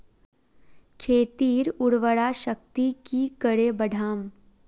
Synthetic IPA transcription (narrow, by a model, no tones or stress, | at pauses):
kʰeːt̪iːɾʊɽʋəɽaʃək̚t̪ikikəɽebəɖʱaːm